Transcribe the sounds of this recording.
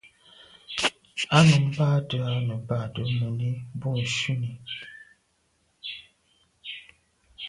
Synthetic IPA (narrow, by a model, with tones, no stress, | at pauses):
a˦nu˨m˦ba˦tə˦a˦nə˨ba˦˨tə˨˦mə˨ni˦bu˦˨n̩˨ʃi˦ni˨